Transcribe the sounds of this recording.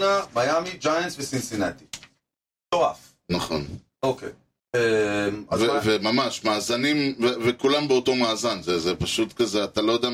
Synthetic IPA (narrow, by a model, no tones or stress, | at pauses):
namajamid͡ʒajansvesinsinat̪i̥ | toaf | naχo̞̰n | okḛ | emvevemamaʃmaːzanimvevekulambeoto̞maːzanzezepaʃut̪kazeat̪alojod̪ɛa